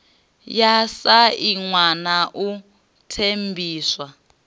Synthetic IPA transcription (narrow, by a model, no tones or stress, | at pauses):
jasaiŋwanaʔu | tʰembʱiːswa